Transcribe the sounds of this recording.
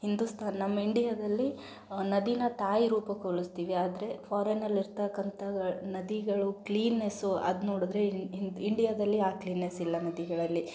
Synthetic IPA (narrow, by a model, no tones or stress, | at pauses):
hind̪ust̪ʰaːnɐnɐmːɐiɳɖijɐd̪ɐlːi | nɐd̪inɐt̪aːjɾuːpɐkoɭist̪iːʋiaːd̪ɐɾe̞pʰaːɾenɐlːiɾt̪ɐkːɐnt̪ʰɐnɐd̪iɡɐɭukliːnːesuɐ̰d̪unoːɽud̪ɐɾe̞nd̪iɳɖijad̪ɐlːiaːkliːnːesilːɐnɐd̪iɡɐɭɐlːi